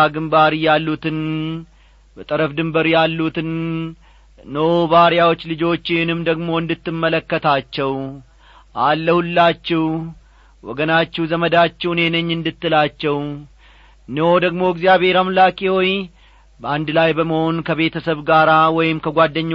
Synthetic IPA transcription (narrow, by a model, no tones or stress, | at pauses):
aɡɨmbaɾjalːut̪ɨn | bət̪ʼəɾəfd̪ɨmbəɾjalːut̪ɨn | əwbaɾjawo̞t͡ʃːlɨd͡ʒo̞t͡ʃːɪnɨmd̪əɡmo̞ɨnd̪ɨt̪ːɨmːələkːət̪ʰat͡ʃːɛw | ʔalːəhulːat͡ʃːɛw | wɔ̰ɡənat͡ʃːɛhzəməd̪at͡ʃːɛwne̞nəɲːɨnd̪ɨt̪ːɨlat͡ʃːɛw | nəwod̪əɡmo̞ɪɡzijaβhe̞ɾamlakʼiwo̞j | bəand̪lajbəməho̞nkʰəβe̞t̪ʰəsəβɡaɾawɔjɪmkʰəɡʷad̪ːəɲː